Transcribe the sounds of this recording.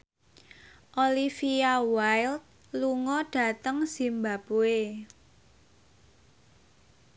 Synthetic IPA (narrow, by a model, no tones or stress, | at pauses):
ʔolifiawajlt̪̚ | luŋɔɖ̥a̤t̪əŋsimbapue